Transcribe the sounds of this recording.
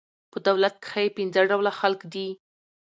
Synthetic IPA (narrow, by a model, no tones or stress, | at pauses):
pəd̪awlat̪̚kɪ̥xajepɪnzaɖawlaxalkd̪i